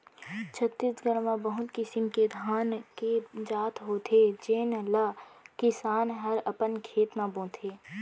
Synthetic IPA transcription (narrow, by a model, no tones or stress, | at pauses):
t͡ʃʰət̪ːisɡəɾmãbəɦʊt̪kɪsɪmked̪ʱaːnked͡ʒaːt̪ɦoːt̪ʰed͡ʒeːnlakɪsaːnɦəɾəpənkʰeːt̪nabõːt̪ʰeː